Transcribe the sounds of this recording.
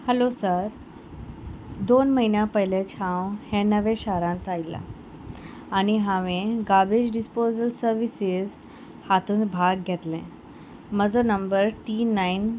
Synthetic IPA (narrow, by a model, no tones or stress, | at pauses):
həlosəɾ | d̪onməɦinjãpəɦlet͡ɕʰãwhɛ̃nəʋẽɕaɾãnt̪ajla̰ː | ñiɦãʋẽɡabed͡ʑɖispozəlsəɾʋisiz | hat̪uːnbʱaɡɡʱɛt̪lɛ̰̃ | məd͡zonəmbəɾʈinain